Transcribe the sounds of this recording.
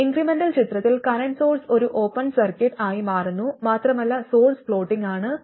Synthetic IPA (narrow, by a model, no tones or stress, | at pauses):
iŋɡrimenɖɐlt͡ɕit̪rɐt̪ːilkɐɾɐɳso̞ːlso̞ɾuʔo̞ːpːɐnsɐrkɐʈːaːjimaːrunːumaːt̪rɐmɐlːɐso̞ːlsfɭo̞ːʈːiŋɡaːɳɨ